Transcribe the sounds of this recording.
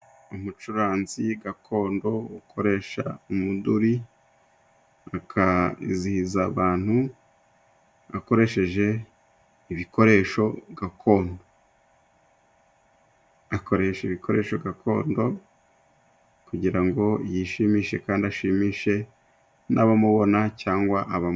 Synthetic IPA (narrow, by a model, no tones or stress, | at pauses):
umut͡ʃuɾaːnziɡakʰo̞ːndo̞ukʰo̞ɾe̞ːʃa̰umuduɾi | akʰazihizaβaːn̥hu | ako̞ɾe̞ʃe̞ʒe̞ | iβiko̞ɾe̞ːʃo̞ɡakʰo̞ːndo | ako̞ɾe̞ːʃeiβikʰo̞ɾe̞̰ːʃo̞ɡakʰo̞̰ːndo̞ | kuɟiɾaŋɡo̞jiʃiːmiːʃe̞kaːndiaʃiːmiːʃe̞ | naβamuβo̞nacaːŋɡwaʔaβam